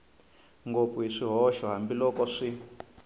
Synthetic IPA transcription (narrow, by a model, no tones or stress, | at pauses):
ŋɡop̪fuɦiʂiɦɔʃɔɦambilɔkɔʂi